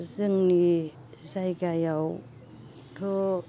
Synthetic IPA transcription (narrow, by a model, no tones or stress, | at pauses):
zɯŋni | sajɡajaw | tʰo